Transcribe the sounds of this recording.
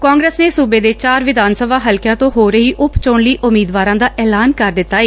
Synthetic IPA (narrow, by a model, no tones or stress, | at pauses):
kãːŋɡɾəsneːsuːbeːd̪eːt͡ʃaːɾʋɪd̪aːnsəbaːɦəlkjãːt̪õːɦoːɾəɦiːʔʊpt͡ʃoːɳliːʔʊmiːd̪ʋaːɾãːd̪aːʔɛːlaːnkəɾd̪ɪt̪ːaːeː